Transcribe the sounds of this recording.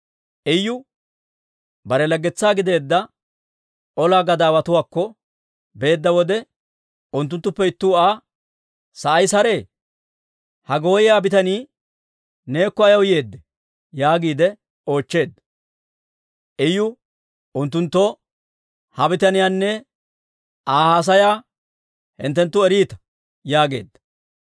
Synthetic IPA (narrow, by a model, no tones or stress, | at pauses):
ʔɛjːʊ | bɐɾɛlɐɡːɛt͡sːaːɡɪd̪e̞ːd̪ːɐ | ɔlaːɡɐd̪aːwɐt̪ʊwaːkːɔ | be̞ːd̪ːɐwɔd̪ɛ | ʊnt̪̬ːʊnt̪ːʊpːɛɪt̪ːʊːaː | sɐʔɐjsɐɾe̞ː | hɐɡo̞ːjɪjaːbɪt̪ɐniː | ne̞ːkːɔɐjɐwjeːd̪ːɛ̥ | jaːɡiːd̪ɛ | o̞ːt͡ʃːe̞ːd̪ːɐ | ʔɛjʊ | ʊnt̪ːʊnt̪ːɔ | hɐbɪt̪ɐnɪjaːnːɛ | aːhaːs̬ɐjaː | hɪ̰nt̪ːɛnt̪ːʊɛɾiːt̪ɐ̥ | jaːɡe̞̰ːd̪ːɐ̥